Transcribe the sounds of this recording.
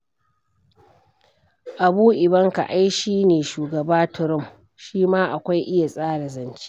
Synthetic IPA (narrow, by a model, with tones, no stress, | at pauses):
ʔa˨buː˦ʔɪ˨bɐ˦ŋka̰˨ʔa˦jʃiː˦neː˨ʃuː˨ɡɐ˨baː˦tʊ˨ɾʊ˦˨m | ʃiː˦maː˦ʔa˨kʷa˦jʔɪ˦ja˨sʼaː˦ɽa˨zɐ˨nt͡ʃi̥˦